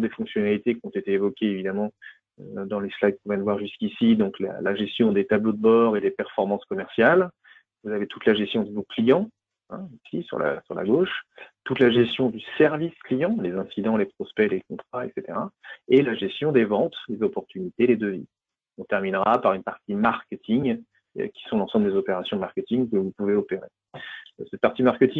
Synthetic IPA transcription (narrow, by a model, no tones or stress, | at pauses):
d̪efɔ̃ksjɔnalit̪ekʲɔ̃t̪et̪eːvɔkʲeevid̪amɑ̃ | ø̰d̪ɑ̃leslaɡkũvɛnvwaʁʒyskʲisid̪ɔ̃kla̰la̰ʒɛst̪jɔ̃d̪et̪ablod̪əbɔʁed̪epɛʁfɔʁmɑ̃skɔmɛʁsjal | vuzavet̪ut̪laʒɛst̪jɔ̃d̪əvoklijɑ̃ | ɛ̰̃isisy̰ʁla̰syʁla̰ɡoʃt̪ut̪laʒɛst̪jɔ̃d̪ysɛʁvisklijɑ̃lezɛ̃sid̪ɑ̃lepχɔspɛlekɔ̃t̪χaɛ̰kset̪eʁaelaʒɛst̪jɔ̃d̪evɑ̃t̪lezɔpɔʁt̪ynit̪ed̪ed̪øvḭ | ɔ̃t̪ɛʁminʁapaʁynpaʁt̪imaʁkʲet̪ʰiŋ̰ | kʲi̥sɔ̃lɑ̃sɑ̃bləd̪ezɔpeʁasjɔ̃maʁkʲet̪iŋkəvupuveɔpeʁḛ | sɛt̪̚paʁt̪imaʁkʲet̪iŋ